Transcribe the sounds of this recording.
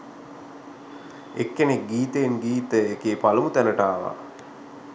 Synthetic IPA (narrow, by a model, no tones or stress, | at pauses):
ḛkːenek̚ɡiːt̪əːnɡiːt̪əekeːpaləmut̪æləʈaːʋa̰